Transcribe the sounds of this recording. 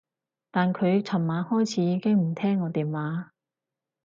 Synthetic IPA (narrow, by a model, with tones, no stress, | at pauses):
t̪aː˨nkʰɵ˨˧ɥt͡sʰɐ˨˩nmaː˨˧nhɔː˥jt͡sʰiː˨˥jiː˨˧kɪ˥ŋm̩˨˩t̪ʰɛː˥ŋːɔː˨˧t̪iː˨˧mwaː˨˧